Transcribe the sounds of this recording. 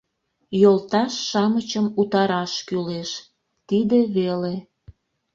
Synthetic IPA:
jolt̪ɑʃːɑmət͡ɕəmut̪ɑɾɑʃkyleʃ | t̪id̪eβele

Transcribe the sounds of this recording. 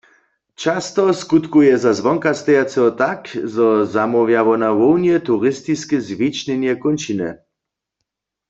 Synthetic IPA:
t͡ʃast̪ɔskut̪kujɛzazʋɔŋkast̪ɛjat͡sɛɔt̪akzɔzamɔwjaʋɔnawownjɛt̪uʁɪst̪iskɛzvit͡ʃnɛnjɛkont͡ʃinɛ̰

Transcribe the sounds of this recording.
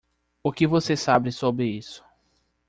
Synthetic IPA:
ʊkɪvosesabɾɪsobɾɪisʊ̥

